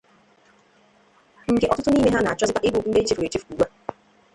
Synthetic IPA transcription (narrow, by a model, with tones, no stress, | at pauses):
ŋ̩˦ɡe˦ʔɔ˦tʊ˦tʊ˦niː˦me˦ɦa˦na˨a˨t͡ʃɔ˦zɪ˦ta˦ʔɪ˦ɡʊ˨n̩˦de˦t͡ʃi˦fu˨ɾe˨t͡ʃi˦fku˨we˦